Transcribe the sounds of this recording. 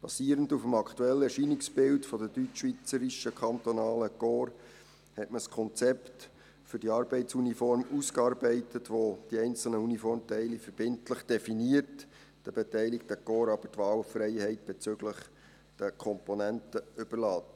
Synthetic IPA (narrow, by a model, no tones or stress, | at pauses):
b̥ɑ̰siːəɾəndufəmɑkʰtuɛlːəɛɾʃinɪksb̥ɪltfɔdədytːʋit͡səɾɪʃəkʰɑnt̪ɔnɑːləkoːɾ | hɛtməskʰɔnt͡sɛpt | fʏɾdiɑːɾbɛɪtsunifɔɾmuskɑːɾbɛɪtətʋod̥iɛɪnt͡sl̩nəunifɔrmtɛɪlifəɾb̥ɪntləχd̥ɛfiniəɾt | d̥əb̥ɛtɛɪlɪkt̪əkɔːɾɑb̥ətʋɑːlʊfrɛɪhɛɪt̚b̥ɛt͡søɡləχ | d̥əkʰɔmponæntəʏb̥ərlɑːt